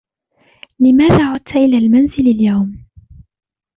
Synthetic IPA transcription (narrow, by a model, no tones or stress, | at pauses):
lɪmaːðaːʕʊd̪t̪aʔɪlaːlmanzɪlaljawm